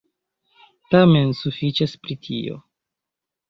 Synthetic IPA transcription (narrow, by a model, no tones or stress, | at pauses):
tame̞nsufit͡ʃaspɾitʰḭo̞̰